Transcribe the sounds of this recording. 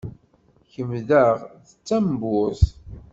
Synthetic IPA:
çəmðəʁðət͡sːæmbʊθ

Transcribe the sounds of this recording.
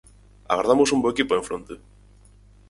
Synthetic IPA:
a̰ɣaɾðamosumboekipoeɱfɾont̪e

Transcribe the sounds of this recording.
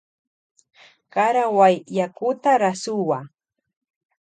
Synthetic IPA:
kaɾawajːakʊt̪aɾasʊwa

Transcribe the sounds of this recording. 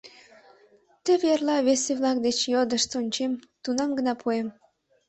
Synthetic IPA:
t̪ə̆βjerlɑβeseβlɑk̚d̪et͡ɕjod̪əʃsonʲt͡ɕemt̪unɑmɡənɑpʰuem

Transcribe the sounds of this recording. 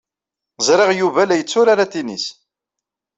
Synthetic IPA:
zˤɾeʁjuvælæjət͡sːʊɾaɾat̪inḭs

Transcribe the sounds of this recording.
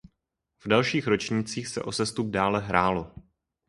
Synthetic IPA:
v̥dalʃiːxɾo̞t͡ʃɲiːt͡siːxsɛ̰ʔo̞sɛst̪ub̚daːlɛɦɾaːlo̞

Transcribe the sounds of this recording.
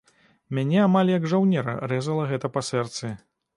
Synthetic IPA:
mʲanʲɛamalʲjɐɡʐawnʲɛɾɐ̰rɛzɐlˠɐɣɛt̪ɐpɐsɛrt̪sɨ

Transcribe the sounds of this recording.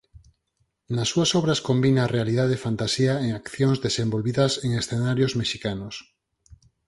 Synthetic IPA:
nasːuasɔβɾaskombinaːrealið̞aðefant̪asiaeŋakθjoŋzðesembolβiðɐseŋesθenaɾjozmeʃikanos

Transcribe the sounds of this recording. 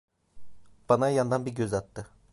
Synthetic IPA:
b̥anajand̪anbiɾɟøzat̪ːɯ

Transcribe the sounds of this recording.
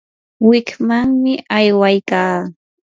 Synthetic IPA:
wɪkmaŋmɪʔajwajkaː

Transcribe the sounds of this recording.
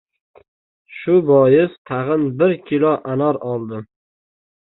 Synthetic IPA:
ʃʊbɒjɪst̪ʰaʁɨnbɪɾkʲʰɪlɒʔanɒɾɒlˠd̪ɪ

